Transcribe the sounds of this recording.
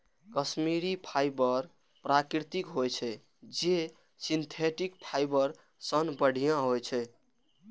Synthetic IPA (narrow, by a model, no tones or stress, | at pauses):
kəsmiɾipʰajbəɾ | pɾakɾit̪ikɦojt͡ʃʰɛ | d͡ʒe | sint̪ʰeʈikpʰajbəɾ | sənbəɽ̤ʱijãɦojt͡ʃʰɛ